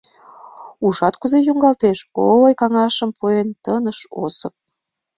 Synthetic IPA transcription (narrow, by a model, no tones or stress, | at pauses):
uʒɑt̪kuzejuŋɡɑlt̪eʃoojkɑŋɑʃəmpuent̪ənəʃo̰səp̚